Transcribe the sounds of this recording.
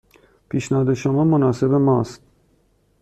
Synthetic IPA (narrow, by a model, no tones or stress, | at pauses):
pʰiːʃnæhɒːd̪eʃomɒːmonɒːse̞bemɒːst̪̚